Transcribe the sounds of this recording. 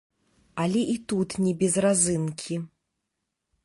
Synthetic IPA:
alʲɛʔit̪ut̪nʲɛbʲɛzrazɨnkʲʰi

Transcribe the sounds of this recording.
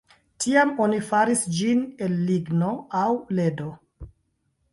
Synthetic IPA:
tʰiamo̞nifaɾisd͡ʒinelːiɡno̞awle̞do̞

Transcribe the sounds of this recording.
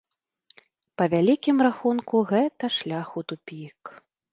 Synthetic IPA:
pɐvʲalʲikʲimraxunkuɣɛt̪ɐʂlʲaxut̪upʲik

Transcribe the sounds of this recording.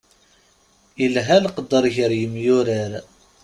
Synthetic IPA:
ilɦælqəd̪ːəɾˤʝəɾjəmjʊɾəɾ

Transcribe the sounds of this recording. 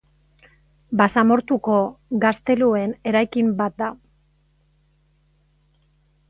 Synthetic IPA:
basamo̞ɾt̪uko̞ɡast̪e̞lue̞ne̞ɾajkimbat̪̚d̪a

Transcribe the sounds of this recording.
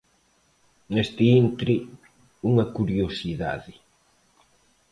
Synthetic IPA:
nest̪ɪint̪ɾɪ | uŋɐkuɾjosiða̰ðɪ

